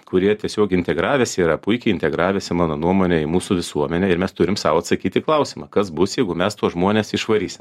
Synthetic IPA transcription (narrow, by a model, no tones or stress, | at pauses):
kʊɾʲiɛt̪ʲiɛsʲoːkɪnʲt̪ʲɛɡɾɑːʋʲɛːsʲɪːɾɐpʊɪkʲɛɪɪnʲt̪ʲɛɡɾɑːʋʲɛsʲɪmɑːnoːnuɔmoːnʲɛɪmuːsuːʋʲɪsuɔmʲɛnʲɛɪɾmʲɛst̪ʊɾʲɪmsɑ̰ːʋoːɐt̪sɐkʲiːt̪ʲɪklˠɐʊsʲɪmɐkɐsbʊsjɛɪɡʊmʲɛst̪uɔsʒmoɔnʲesɪʃʋɐɾʲiːsʲɪm